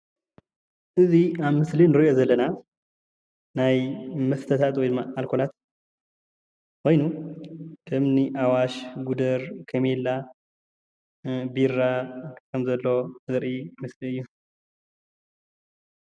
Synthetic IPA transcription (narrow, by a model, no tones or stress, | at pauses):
ʔɨziaβmɨslinɨɾiʔo̞zɐlːɐna | najmɐst̪ʰɐt̪ʰat̪wɔjd̪ɨmːaalkʰo̞lat̪ | ko̞jnu | kʰɨmniʔawaʃɡud̪ɐɾkʰɐmelːa | biɾakʰɐmzɐlːo̞zɨɾʔimɨsliɨjːu